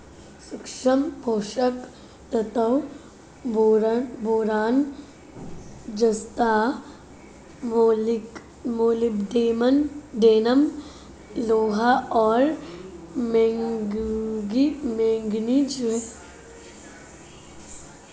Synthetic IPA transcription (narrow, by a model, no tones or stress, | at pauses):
sʊkʃəmpoːʃək | t̪ɐt̪ɐw | ɾboːɾaːn | d͡ʒɐst̪aː | moːlɪbɖeːmənɖeːnəm | loːɦaʔɔːɾ | mẽŋɡɡimẽːŋɡnid͡ʒu